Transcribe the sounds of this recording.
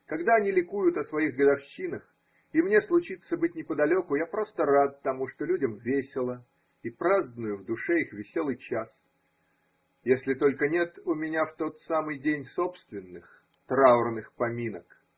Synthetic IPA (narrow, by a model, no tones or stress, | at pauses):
kɐɡd̪aɐnʲilʲɪkujʊt̪əsvɐiɣɡəd̪ɐfɕːinəx | imnʲe̞slˠʊt͡ɕit̪səbɨt̚ʲnʲɪpəd̪ɐlʲo̞kʊjapɾo̞st̪ərat̪̚ːɐmuʂt̪olʲudʲəmvʲesʲɪlˠə | ipɾazd̪ənʊjʊvd̪ʊʂɛixvʲɪsʲo̞lˠɨjt͡ɕas | jesʲlʲɪt̪o̞lʲkənʲe̞t̪ʊmʲɪnʲaft̪o̞t̪samɨjdʲenʲso̞pst̪vʲɪnːɨx | t̪ɾaʊrnɨxpɐmʲinək